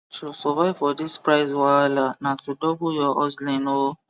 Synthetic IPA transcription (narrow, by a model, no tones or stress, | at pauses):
tʰusɔvaɪvfɔdispɾaɪzwalanãtudɔbujɔʔɔslĩnõ